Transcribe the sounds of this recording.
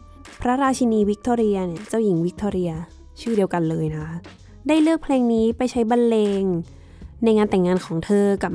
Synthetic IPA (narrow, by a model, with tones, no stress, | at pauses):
pʰɾa˦˥ɾaː˧t͡ɕʰi˧niː˧wi˦˥k̚t̪ʰoː˧ɾi˧ɐ˧ni˧˥˩ɐt͡ɕa˥˩wji˩˦ŋwi˦˥k̚t̪ʰɔː˧ɾi˧ɐ | t͡ɕʰɯː˥˩di˧əwka˧nlɤː˧jna˦˥kʰa˦˥ | daː˥˩jlɯ˥˩ək̚pʰleː˧ŋniː˦˥pa˧˨jt͡ɕʰa˦˥jba˧nleː˧ŋ | na˧jŋaː˧nt̪ɛ˨˩ŋːaː˧nkʰɔː˩˦ŋt̪ʰɤː˧ka˨˩p̚